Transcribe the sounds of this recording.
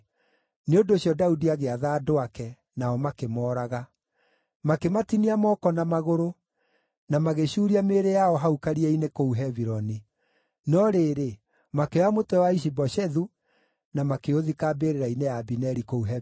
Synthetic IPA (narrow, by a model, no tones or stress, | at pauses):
neondoɕjɔdaudiaɣeaðaːdoakɛ | naɔmakemɔːɾaɣa | makematiniamɔkɔnamaɣoɾo | namaɣeɕuːɾiameːɾejaɔɦaukaɾiɛinekouɦɛviɾɔni | nɔɾeːɾe | makeamotɛwaiʃ̬ibɔʃɛðu | namakeoðikaːbeɾeɾainejabinɛɾikouɦɛ